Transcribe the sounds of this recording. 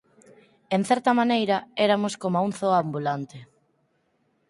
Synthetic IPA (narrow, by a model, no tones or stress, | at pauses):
enθɛɾt̪ɐmanejɾɐeɾamʊskomauŋθoambulant̪e